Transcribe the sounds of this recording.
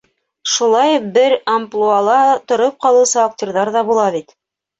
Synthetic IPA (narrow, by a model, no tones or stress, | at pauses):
ʃulˠɑjbɘɾamplˠualˠɑt̪ŏɾop̚qɑlˠɤ̆wsɑːk̚t̪ʲoɾðɑɾðɑbulˠɑβit̪